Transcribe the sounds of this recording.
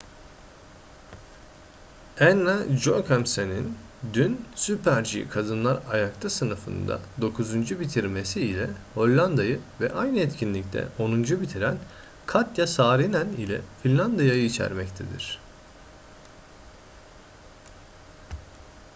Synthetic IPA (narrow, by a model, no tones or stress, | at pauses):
ɛnːad͡ʒokʰamsenin | d̪ynsypʰæɾd͡ʒḭkʰad̪ɯnlˠaɾajakt̪ʰasɯnɯfɯ̰nd̪a̰d̪o̞kʰuzund͡ʒubit̪ʰiɾme̞siːlʲɛho̞lʲːand̪ajɯvɛ̰ʔajnɯɛt̪cʰinlʲic̚t̪ʰɛ̰ʔo̞nund͡ʒubit̪ʰiɾæn | kʰat̪jasaːɾinænilʲɛ̰filʲlːʲand̪ajajɯit͡ʃʰæ̰ɾmɛct̪ʰḛd̪iɾ̥